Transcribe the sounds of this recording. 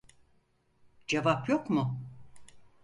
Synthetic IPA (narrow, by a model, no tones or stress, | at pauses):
d͡ʒevapjo̞kmʊ